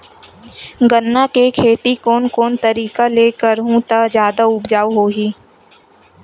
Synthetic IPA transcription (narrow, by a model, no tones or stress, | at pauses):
ɡənːakekʰeːt̪ikɔːnkɔːnt̪əɾiːkaleːkəɾɦũt̪ad͡ʒjaːd̪aʊbd͡ʒaːoɦoːɦiː